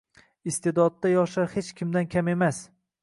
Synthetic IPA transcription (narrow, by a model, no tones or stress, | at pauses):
ɪst̪ʰed̪ɒd̪ːajɒʃaɾhet͡ʃkʲʰɪmd̪ankʲʰame̞mas